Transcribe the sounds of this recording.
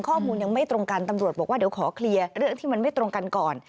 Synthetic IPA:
ŋkʰɔː˥˩muː˧nja˧ŋma˥˩jt̪ɾo˧ŋka˧nt̪a˧mɾu˨˩t̪̚bɔː˨˩k̚wa˥d̪i˩˦wkʰɔː˩˦kʰli˧əɐɾɯ˥˩əŋt̪ʰiː˥˩ma˧nma˥˩jt̪ɾo˧ŋka˧nkɔː˨˩n

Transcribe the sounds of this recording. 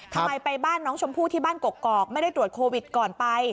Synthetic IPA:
t̪ʰa˧ma˧˩jpa˧jbaː˥˩nːɔː˦˥ŋt͡ɕʰo˧mpʰuː˥˩t̪ʰiː˥˩baː˥˩nko˨˩kːɔː˨˩k̚ma˥˩jda˥˩jt̪ɾu˨˩ət̪̚kʰoː˧wi˨˩t̪̚kɔː˨˩npa˧j

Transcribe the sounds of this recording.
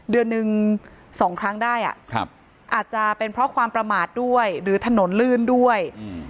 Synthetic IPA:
dɯ˧ənːɯ˧ŋsɔː˩˦ŋkʰɾa˦˥ŋdaː˥˩jʔa̰˨˩ʔkʰp̚ | ʔaː˨˩t̪̚t͡ɕa˨˩pe˧npʰɾɔ˦˥kʰwaː˧mpɾa˧maː˨˩t̪̚du˥˩əjɾɯː˩˦t̪ʰa˧no˩˦nlɯː˥˩ndu˥˩əj

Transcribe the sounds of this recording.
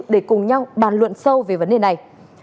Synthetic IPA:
k̚ɗe˧˩kʊ˨˩ŋ͡mɲa˧wɓaː˧˩nlwə̰˧˨nsə˧wve˨˩və˨˦nɗe˨˩na˨˩j

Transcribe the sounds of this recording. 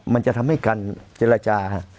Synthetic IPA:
ma˧nt͡ɕa˨t̪ʰa˧mha˥˩jka˧nt͡ɕeː˧ɾaː˧t͡ɕaː˧

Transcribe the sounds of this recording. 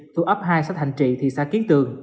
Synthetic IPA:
t̪u˧ʔa˦˥p̚ɦaː˧jsa˦˥t̚ha˨˧˩jŋ̟t͡ɕḭ˧˨t̪ʰi˨˩sa̰ː˧˥ki˨˦˥t̪ɨ˨˩əŋ

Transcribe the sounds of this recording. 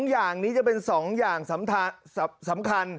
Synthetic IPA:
ŋjaː˨˩ŋniː˦˥t͡ɕa˨˩pe˧nsɔː˩˦ŋjaː˨˩ŋsa˩˦mt̪ʰa˧sa˩˦sa˩˦mkʰa˧n

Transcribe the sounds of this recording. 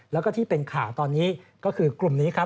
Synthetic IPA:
lɛː˦˥wkɔː˥˩t̪ʰiː˥˩pe˧nkʰaː˨˩wt̪ɔː˧nːiː˦˥kɔː˥˩kʰɯː˧klu˨˩mniː˦˥kʰa˦˥

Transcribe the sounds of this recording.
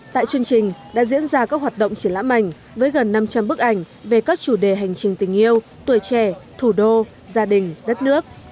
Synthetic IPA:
t̪a̰ː˧˨jt͡ɕɨ˧əŋt͡ɕï˨˩ŋ̟ɗa̰ː˧˥zḭ˧˥ənzaː˧kaː˦˥k̚ɦwaː˨˩t̚ɗə̰˧˨wŋ͡mt͡ɕi˧˩əla̰ː˧˥ma̰˧˩jŋ̟ | vəː˨˦jɣə˨˩nːa˧mt͡ɕa˧mɓɨ˦˥k̚ʔa˧˩jŋ̟ | ve˨˩kaː˦˥k̚t͡ɕu˧˩ɗe˨˩ɦa˨˩jŋ̟t͡ɕï˨˩ŋt̪ï˨˩ŋ̟ʔi˧əw | t̪wi˨˩əjt͡ɕɛ˧˩t̪ʰu˧˩ɗo˧ | zaː˧ɗï˨˩ŋ̟ɗə˦˥t̚nɨ˦˥ək̚

